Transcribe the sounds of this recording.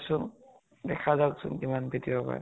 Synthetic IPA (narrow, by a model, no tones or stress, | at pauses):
sʊn | dɛkʰazaksʊ̰nkimanbʱitibapa̰ɛ̰